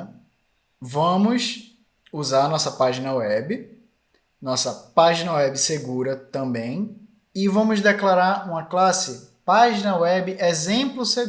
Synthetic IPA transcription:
vɐ̃mʊs | uzaɾɐnɔsɐpaʒinɐwɛbɪ | nɔsɐpaʒinɐwɛbɪseɡuɾɐt̪ɐ̃bẽj̃ | ɪvɐ̃mʊzd̪ɛklaɾaɾũmɐklasɪpaʒinɐwɛbɪʔezẽplʊse

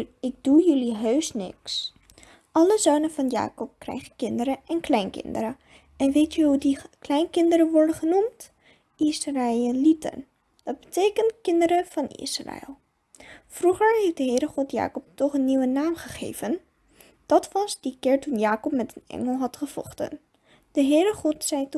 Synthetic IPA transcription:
ɪɡ̚d̥ujɵliɦøɥsnɪ̰ks | ʔɑləzoːnəvɑnja̰ːkɔp̚krɛ̰jχəkɪndəɾəʔɛnklɛjnkɪ̰ndəɾə | ɛnʋejtəɦudiklɛjnkɪndəɾəʋɔɹdənχənumt | ɪsralitə̰n | dɑt̚bətejkəntkɪndəɾəv̥ɑnɪ̰sra̰ɛ̰lˠ | fruχəɹɦejfdəɦɪːɾəχɔtja̰ːkɔp̚tɔχənːiwənaːmχəχḛjvən | d̥ɑtʋɑzdikɪːɹtunjaːkɔpmɛtənɛ̰ŋəlˠɦɑtχəv̥ɔ̰χtə̰n | d̥əɦɪːɾəχɔtsɛjt

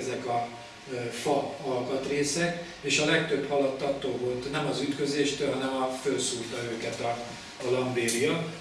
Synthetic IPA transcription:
zɛkɒ | fɒɒlkɒt̪reːsɛk | eːʃɒlɛkt̪ø̞bhɒlɒt̪ːɒt̪ːoːvo̞lt̪nɛmɒzyt̪kø̞zeːʃt̪ølɦɒnɛmɒfølsuːrt̪ɒøːkɛt̪ɒː | lɒmbeːɾijɒ

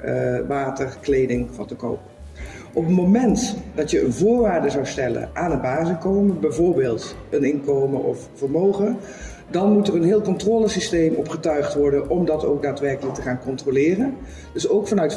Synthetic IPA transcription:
ʋaːtəɹklejdɪŋvɑ̰ntəko̰wp̚ | ʔɔpətmomɛntdɑtjəənvʊːɹʋaːɹdəzɑwstɛlə̰nʔaːnənbaːzɪnkowməbɛjvʊːɹbeːlˠtənɪnkowməʔɔ̰ffəɹmowχə | dɑnmutərənɦɪːlˠkɔntrɔːləsistejmɔpχətœɥχtʋɔɹdənʔɔmdɑto̰wk̚daːtʋɛɹkələk̚təχaːnkɔntrolɪːrən | d̥ɵsowkfɑnœɥt

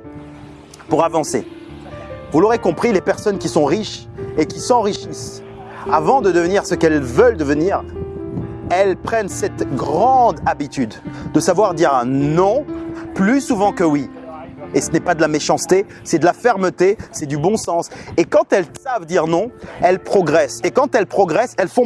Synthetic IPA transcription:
puʁavɑ̃se | vuloʁekɔ̃pχilepɛʁsɔnkʲisɔ̃ʁiʃ | ekʲisɑ̃ʁiʃis | avɑ̃d̪əd̪əvəniʁsəkɛlvəld̪əvəniʁ | ɛlpχɛnsɛt̪ɡʁɑ̃d̪abit̪yd̪d̪əsavwaʁd̪iʁnɔ̃plysuvɑ̃kəwi | esənɛpad̪əlameʃɑ̃st̪e | sɛd̪əlafɛʁmət̪esɛd̪ybɔ̃sɑ̃sekɑ̃t̪ɛlsavd̪iʁnɔ̃ɛlpχɔɡʁɛsekɑ̃t̪ɛlpχɔɡʁɛsɛlfɔ̃

